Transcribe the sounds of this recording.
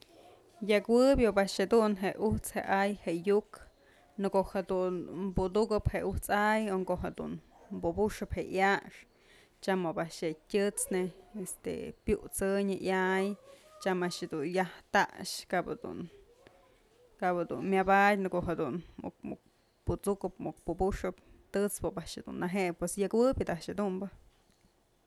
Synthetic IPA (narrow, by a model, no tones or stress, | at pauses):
jakwɨbʲjobaʔʂhad̪unɦeʔuht͡shḛʔajheʔjuk | nɨkoʔhad̪unmbud̪ukɨpheuht͡sajoŋkoɦad̪ṵn | mbubuʂɨpheʔjaʂ | t͡ʃamobaʔʂheʔtʲɨt͡sneest̪ḛpʲjuʔt͡sɨɲɨʔjajt͡ʃamaʔʂhed̪unjaht̪a̰ʔʂkabad̪ṵn | kapad̪ṵnmʲabat̚ʲnɨkoʔɦad̪unmṵk̚mṵk̚ | put͡sukɨpmuk̚pubuʂɨp̚t̪ɨt͡spɨpaʔʂhad̪ṵnːaɦeʔpwesjakwɨbʲɨd̪aʔʃad̪umbɨ